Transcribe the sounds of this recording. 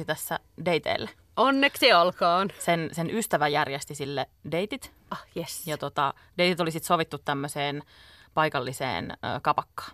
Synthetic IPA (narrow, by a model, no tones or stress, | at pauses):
it̪æsːæ | deit̪ḛːlːe | ʔonːeksiolkɑːnsensenʔyst̪æʋæjærjest̪isilːedeit̪it̪ | ɑhjesjɑt̪ot̪ɑ̰ | deit̪it̪olisit̪soʋit̪ːut̪tæmːøseːnpɑikɑlːisḛːnø̰ːkɑpɑkːɑ̥ː